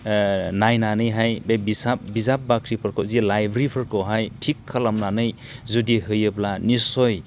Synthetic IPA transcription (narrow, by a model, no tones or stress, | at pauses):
najnanɯjɦajbebisabizap̚bakʰɾipʰɯɾkɔwzilajbɾipʰɯɾkɔwɦajtʰikʰːalamnanɯj | zudiɦɯjɯblanisɔj